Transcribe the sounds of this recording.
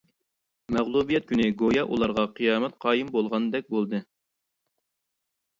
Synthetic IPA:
mɛʁlˠubijɛt̪̚kʲʰynɪɡojɑʔṵlˠɑɾʁɑqʰɨjɑːmɛt̪̚qʰɑːjimbolˠʁɑnd̪ɛk̚ʲbolˠd̪ɨ

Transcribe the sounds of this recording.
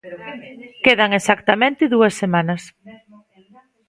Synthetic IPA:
keðaŋesakt̪amẽnt̪ɪðuɐsːemanɐs

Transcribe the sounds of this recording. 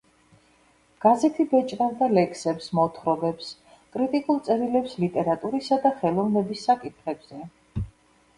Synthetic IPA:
ɡ̥azɛt̪ʰibɛt͡ʃʼɾavd̪alɛkʰsɛpsmɔt̪ʰχɾɔbɛps | kʼɾit̪ʼikʼulˠt̪sʼɛɾilɛpslit̪ʼɛɾat̪ʼuɾisad̪aχɛlˠɔvnɛbisːakʼit̪ʰχɛbz̥ɛ

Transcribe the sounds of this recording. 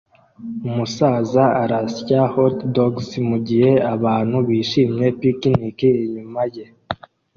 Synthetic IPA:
umusaːzaaɾasjahotdoɡsmuɟihe̞aβaːn̥huβiːʃiːmɲe̞pikinikiːɲumaje̞

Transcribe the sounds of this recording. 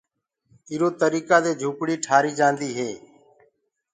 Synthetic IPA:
ɪːɾoːt̪əɾiːkaːd̪eːd͡ʒʱuːpɽiːʈʰaːɾiːd͡ʒãːnd̪iːɦeː

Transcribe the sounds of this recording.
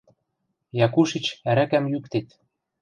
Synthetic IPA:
jɑkuʃit͡ɕæɾækæmjykt̪et̪

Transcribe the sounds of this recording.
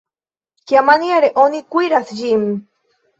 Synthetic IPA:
kjamaniaɾeʔonikʷiɾaθʒim

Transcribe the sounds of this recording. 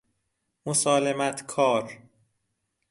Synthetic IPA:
mosɒːlemæt̪ʰkʰɒːɾ

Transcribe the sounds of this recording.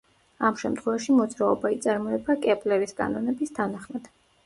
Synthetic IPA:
amʃɛmt̪ʰχwɛvaʃimɔd̪zɾaɔbait̪sʼaɾmɔɛbakʼɛpʼlɛɾiskʼa̰nɔnɛbist̪ʰanaχmad̪̥

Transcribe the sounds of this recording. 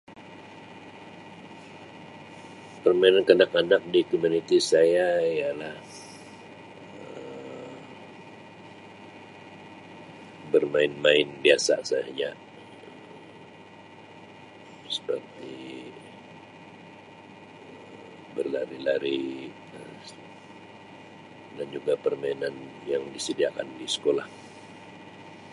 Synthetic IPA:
pərmainankənakanak̚dikomunit̪isajajalah | ə | bərmaɪnmaɪnbiasa̰sajahd͡ʒa | ə | sə̥pərt̪i | bərlaɾilaɾi | ə | dand͡ʒuɡapərmainan | jaŋdisədiaka̰ndisə̥kolah

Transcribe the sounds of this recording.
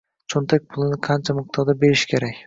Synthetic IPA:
t͡ʃʰont̪ʰak̚ʲpʰʊlˠɪnɪqʰɑnt͡ʃʰamɪq̚t̪ʰɒɾd̪abe̞ɾɪʃkʲʰe̞ɾakʲ

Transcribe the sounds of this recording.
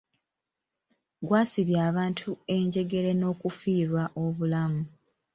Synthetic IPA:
ɡwaːsiβjaːβaːntʰue̞ɲɟe̞ɡe̞ɾe̞no̞ːkufiːɾwaʔo̞βulamu

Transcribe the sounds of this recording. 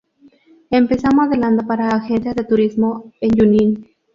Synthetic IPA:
empesamoaðeland̪opaɾaːxensjazðet̪uɾizmoenjunin

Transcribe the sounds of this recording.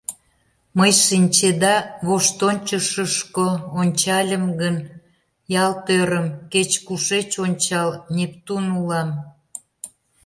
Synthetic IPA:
məjʃinʲt͡ɕed̪ɑβoʃt̪onʲt͡ɕəʃəʃkoonʲt͡ɕɑlʲəmɡən | jɑlt̪øɾəmket͡ɕkuʃet͡ɕonʲt͡ɕɑlnʲept̪unulɑm

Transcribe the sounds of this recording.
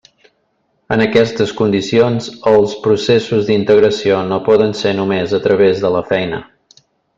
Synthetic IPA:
ənəkɛst̪əskund̪isionzəlˠspɾusesuzðd̪int̪əɣɾəsionopɔðənsenumezət̪ɾʔəβezðələfɛjnə̰

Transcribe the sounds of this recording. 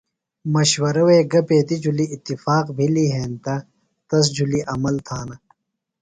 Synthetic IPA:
mɐɕwɐɾɐweɡɐpeːt̪id͡ʑuliːt̪ːifaːqbʱiliɦeːnt̪ɐ | t̪ɐs̬d͡ʑuliʔɐmɐlt̪ʰaːnɐ

